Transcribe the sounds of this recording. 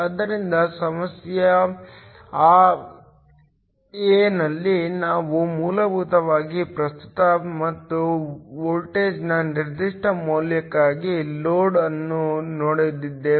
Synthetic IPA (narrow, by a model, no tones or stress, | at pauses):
ɐd̪ɐɾind̪ɐsɐmɐsjɐ | aː | enɐlːinaːʋumuːlɐbʱuːt̪ɐʋaːɡipɾɐst̪u̥t̪ɐmɐt̪ːuʋoːlʈeːd͡ʒnɐniɾd̪iʂʈɐmoːljɐkːaːɡiloːɖɐnːunoːɽejd̪id̪ːe